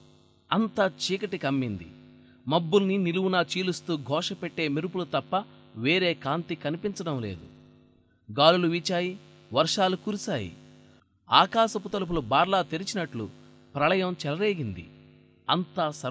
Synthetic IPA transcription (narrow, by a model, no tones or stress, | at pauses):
ɐnt̪aːt͡ʃiːkɐʈikɐmːind̪ḭ | mɐbːulniniluwunaːt͡ʃiːlust̪uːɡʱɔːʂɐpɛʈːe̞ːmiɾupulut̪ɐpːɐʋeːɾe̞ːkaːnt̪ikɐnipint͡ʃɐɽɐmleːd̪ṵ | ɡaːluluʋiːt͡ʃaːji | ʋɐɾʂaːlukuːɾusaːjḭ | aːkaːsɐput̪ɐlup̬ulubaːɾlaːt̪eɾit͡ʃinɐʈlṵ | pɾɐlɐjɐmt͡ʃɛlɐɾeːɡind̪ḭ | ɐnt̪aːsɐ